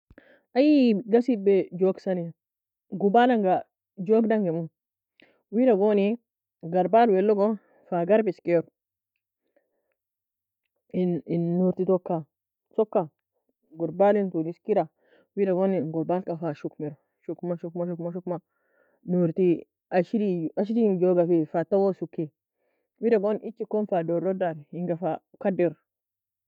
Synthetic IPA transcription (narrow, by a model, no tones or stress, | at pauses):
ajiɡasibed͡ʒoksani | ɡubalaŋɡa | d͡ʒoɡdaŋɡemu | widaɡoni | ɡaɾbalwelːoɡo | faɡaɾbiskeɾ | ininːuɾt̪it̪okːa | sokːa | ɡuɾbalint̪uniskiɾa | widaɡoniɡɔɾbalkafaʃukmeɾo | ʃukmaʃukmaʃukmaʃukma | nuɾt̪i | aʃidiaʃ̬idijoɡafifat̪awosukːi | widaɡonit͡ʃːikonfadoɾodaɾiŋɡafa | kadeɾ